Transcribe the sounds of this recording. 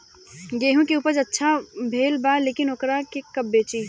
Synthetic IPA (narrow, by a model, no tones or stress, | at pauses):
ɡeːɦũkeuːpəd͡ʒɐtːʃʰabʱeːlbaːleːkɪnoːkɾakekɐbːeːt͡ʃiː